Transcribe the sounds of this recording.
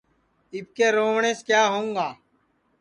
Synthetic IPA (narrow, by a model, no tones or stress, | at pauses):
ɪp̚keːɾoːʋɳeːskjaːɦoːũːŋɡaː